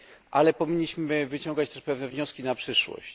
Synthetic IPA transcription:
ʔalɛpɔvʲiɲːiɕmɘvɘt͡ɕɔ̃ŋɡat͡ɕt̪ɛʂpɛvnɛvɲɔskʲinapʂɘʂwɔ̰ɕt͡ɕ

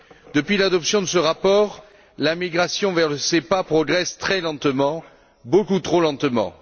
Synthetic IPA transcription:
d̪əpɥilad̪ɔpsjɔ̃d̪əsəʁapɔʁ | lamiɡʁasjɔ̃vɛʁləsepapχɔɡʁɛst̪χɛlɑ̃t̪əmɑ̃ | bokut̪χolɑ̃t̪mɑ̰̃

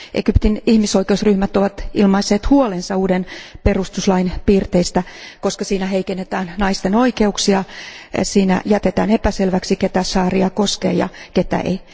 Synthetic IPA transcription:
ʔḛkypt̪inihmisoikeusryhmæt̪oʋɑt̪ilmɑisːeːt̪huolensɑuːdenperust̪uslɑinpiːrt̪eist̪ækoskɑsiːnæɦeikenːet̪æːnnɑist̪eno̞ikeuksiɑsiːnæ̰jæt̪et̪æːnepæselʋæksiket̪æsɑːriɑkoskḛːjɑ̰ket̪æ̰ḛi

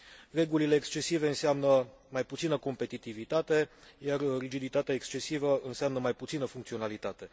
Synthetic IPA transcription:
re̞ɡulile̞ːkst͡ʃe̞sive̞ɨnseamnə | majput̪sinəko̞mpe̞t̪it̪ivit̪at̪e̞jarːid͡ʒid̪it̪at̪eaekst͡ʃe̞sivəɨnseamnəmajput̪sinəfuŋkt̪sio̞nalit̪at̪e̞

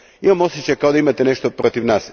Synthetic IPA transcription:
imamo̞set͡ɕajkaod̪aimat̪ene̞ʃt̪opɾot̪iʋnaːs

